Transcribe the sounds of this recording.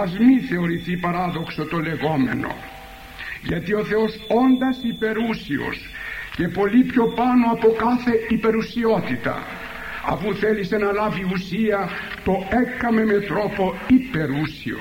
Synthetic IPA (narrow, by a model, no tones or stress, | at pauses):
azmiθeoɾiθipaɾaðoksot̪oleɣomḛno̰ | jet̪ioθeosond̪asipeɾusio̰s | kepolipjopanoapokaθeipeɾusiɔt̪it̪a̰ | a̰βuθelisenalaviusia | t̪oekːamemet̪ɾopoipeɾusio̰